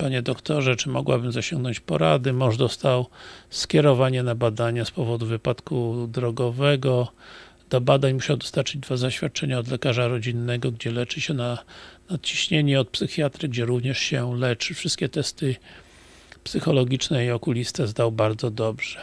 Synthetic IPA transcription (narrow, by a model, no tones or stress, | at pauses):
paɲɛd̪ɔkt̪ɔʐɛt͡ʂɘmɔ̰ɡwabɘmzaɕɔŋɡnɔɲt͡ɕpɔɾa̰d̪ɘmɔʐd̪ɔst̪awskʲɛɾɔvaɲɛnabad̪aɲaspɔvɔd̪uvɘpat̪kud̪ɾɔɡɔvɛɡɔ | d̪̥ɔbad̪aɲmuɕawd̪ɔ̥st̪aɾt͡ʂɘd͡ʑd̪vazaɕfʲjat̪̚t͡ʂɛɲaɔd̪lɛkaʐaɾɔd͡ʑinːɛɡɔɡd͡ʑɛlɛt͡ʂɘɕɛnanat̪̚t͡ɕi̥ɕɲeɲɛɔt̪̚psɘxʲjat̪ɾɘɡd͡ʑɛɾuvɲɛʂɕɛlɛt͡ʂɘfʂɨst̪̚kʲɛt̪ɛst̪ɘ | psɘxɔlɔɡʲit͡ʂnɛiɔkulʲist̪ɛzd̪awbaɾd̪zɔd̪ɔbʐ̥ɛ̥